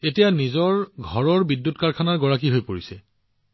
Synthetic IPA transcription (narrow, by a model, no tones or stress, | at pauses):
etijanizɔɹɡʱɔɹɔɹbidːutkaɹkʰanaɹɡɔɹak̬iɦojpoɹisɛ